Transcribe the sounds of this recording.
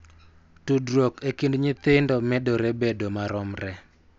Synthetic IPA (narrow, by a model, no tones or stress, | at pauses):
tudɾokekindɲɪt̪ɪndɔmɛdɔɾebedomaɾɔmɾɛ